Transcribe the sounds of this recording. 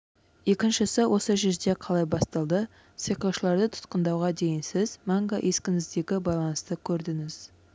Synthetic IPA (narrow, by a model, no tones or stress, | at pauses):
je̞kʲɪnʃɪsɪwʔo̞səʒezd̪e̞qʰɑlˠɑjbɑst̪ɑlˠd̪ə | siqɑʃəlˠɑɾd̪ət̪ʰʊ̥t̪̚qənd̪ɑwʁɑd̪e̞jɪnsɪzmɑŋɡaʔe̞skʲɪnɪzd̪e̞ɡʲɪbɑjlˠɑnəst̪əkʲʰɵɾd̪ɪŋɪz̥